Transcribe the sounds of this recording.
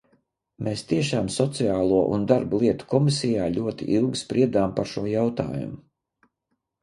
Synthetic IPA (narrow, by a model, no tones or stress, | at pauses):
meːst̪iɛʃaːmsɔt̪siaːlˠuɔʔṵnd̪aɾblˠiɛt̪u̥kɔmisijaːlʲuɔt̪ḭʔilˠɡispɾiɛd̪aːmpaɾʃuɔjawt̪a̰ːjṵmu